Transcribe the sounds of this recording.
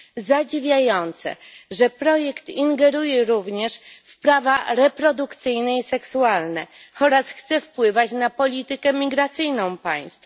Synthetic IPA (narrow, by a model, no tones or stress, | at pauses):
zad͡ʑivʲjajɔnt̪sɛ̰ʐɛpɾɔjɛkt̪iŋɡɛɾujɛɾuvɲɛʂfpɾavaɾɛpɾɔd̪ukt̪sɘjnɛisɛksualnɛɔɾasxt̪sɛfpwɘvat͡ɕnapɔlʲit̪ɘkɛmʲiɡɾat̪sɘjnɔ̃w̃pa̰j̃st̪f